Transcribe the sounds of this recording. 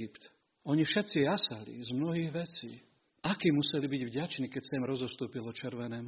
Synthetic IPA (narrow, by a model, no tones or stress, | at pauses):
ipt̪ | ɔɲifʃɛt̪t͡sijasalḭzmnɔɦiːɣʋɛt͡sḭː | ʔakiːmusɛlibiɟvɟat͡ʃniːkɛcsɛmɾɔzɔst̪uːpilɔt͡ʃɛɾʋɛnɛːm